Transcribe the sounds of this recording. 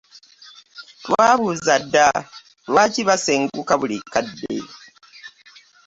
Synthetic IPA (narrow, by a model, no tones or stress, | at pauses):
twaːβuzadːa | waːciβaseŋɡukaβulikːadːḛ